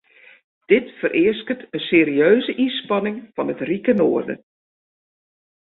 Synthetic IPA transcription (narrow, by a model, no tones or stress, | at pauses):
d̥ɪtfərʔɪəskətəseːɾiøːzəʔinspɑnɪŋfɑnətrikənoərdə̰